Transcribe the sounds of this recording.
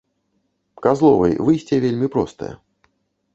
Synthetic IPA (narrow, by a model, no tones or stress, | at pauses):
kazlˠɔvɐ̰jvɨjsʲtʲivʲelʲmʲipɾɔst̪ə̰jə̰